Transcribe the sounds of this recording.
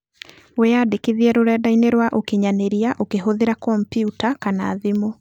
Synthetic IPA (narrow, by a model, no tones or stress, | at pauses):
wɛadekeðiɛɾoɾɛdaineɾwaʔokeɲaneɾiaʔokeɦoðeɾakɔmpjiutakanaːðimo